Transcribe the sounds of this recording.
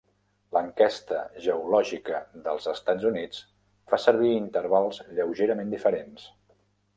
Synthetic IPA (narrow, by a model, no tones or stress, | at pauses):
ləŋkɛst̪əʒəulɔʒikəðəlˠzəst̪ad͡zunit͡s | fasəɾβ̞iint̪əɾβalˠzʎəwʒeɾəmend̪ifəɾens